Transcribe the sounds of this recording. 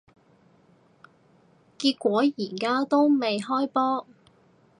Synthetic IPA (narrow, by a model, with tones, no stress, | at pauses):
kiː˧t̚kʷɔː˨˥jiː˨˩kaː˥t̪o˥wme˨jɦɔː˥jpɔː˥